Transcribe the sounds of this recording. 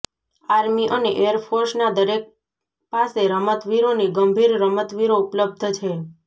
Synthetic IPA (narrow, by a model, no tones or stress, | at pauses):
aɾmiʔəneʔejəɾpʰoɾsnad̪əɾek̚ | paseɾəmət̪ʋiɾoniɡəmbʱiɾɾəmət̪ʋiɾoupləb̚d̪ʱt͡ʃʰe